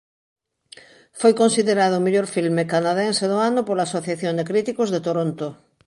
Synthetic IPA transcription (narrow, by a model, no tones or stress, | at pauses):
fojkonsiðeɾað̞ʊːmeʎoɾfilmekanaðenseðoanʊpoɾlaːsoθjaθjond̪ekɾit̪ikʊzðet̪oɾont̪ʊ